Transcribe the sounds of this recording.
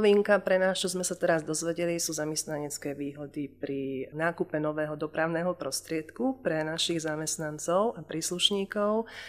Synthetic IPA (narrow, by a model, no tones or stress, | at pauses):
ʋiːŋkapɾɛnaːst͡ʃɔzmɛsat̪ɛɾazd̪ɔzʋɛɟɛlisuːzamɛst̪naɲɛt͡skɛːʋiːɦɔd̪ipɾinaːkupɛnɔʋɛːɦɔd̪ɔpɾaʊnɛːɦɔpɾɔst̪ɾɪɛt̪kupɾɛnaʃiɣzamɛst̪nant͡sɔʊapɾiːsluʃɲiːkɔʊ